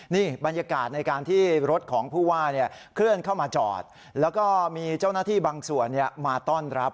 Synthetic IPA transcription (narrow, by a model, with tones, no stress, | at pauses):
niː˥˩ba˧njaː˧kaː˨˩t̪̚na˧jkaː˧nt̪ʰiː˥˩ɾo˦˥t̪̚kʰɔː˩˦ŋpʰuː˥˩waː˥˩ni˥˩ə | kʰɾɯ˥˩ənkʰa˥˩wmaː˧t͡ɕɔ̰ː˨˩t̪̚ | lɛː˦˥wkɔː˥˩miː˧t͡ɕa˥˩wnaː˥t̪ʰiː˥˩baː˧ŋsu˨˩ənːi˥˩əmaː˧t̪ɔː˥˩nɾa˦˥p̚